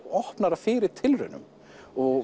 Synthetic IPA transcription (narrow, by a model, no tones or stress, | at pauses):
ɔhpnaɾafɪːɾɪɾ̥t̪ʰɪlrʏ̰nːʏ̰m | ɔɣ